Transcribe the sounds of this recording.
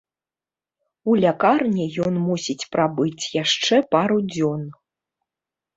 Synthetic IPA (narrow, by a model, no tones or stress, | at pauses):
ulʲakarnʲɛjɔnmusʲit͡sʲpɾabɨt͡sʲjaʂt͡ʂɛpaɾud͡zʲɔn